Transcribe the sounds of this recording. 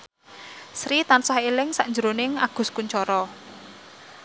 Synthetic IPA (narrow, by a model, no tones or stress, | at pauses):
sɾit̪ansɔhelɪŋsaʔɲd͡ʒəɾonɪŋaɡ̥ʊ̤skuɲt͡ʃɔɾɔ